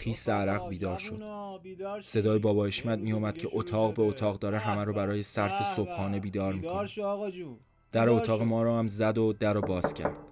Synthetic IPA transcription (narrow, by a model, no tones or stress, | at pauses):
χiːseæɾæɣbiːd̪ɒːɾʃo̞d̥̪ | se̞d̪ɒːjebɒːbɒːeʃmæd̪̚miːjuːmæd̪̥̚cʰe̞ʔot̪ʰɒːɣbe̞ot̪ʰɒːɣd̪ɒːɾeɦæmæɾɔːbæɾɒːje̞sæɾfesob̥hɒːne̞biːd̪ɒːɾmikʰon | d̪̥æɾoot̪ʰɒːɣemɒːɾɒːæmzæd̪od̪æɾobɒːz̥cʰæ̰ɾd̪̥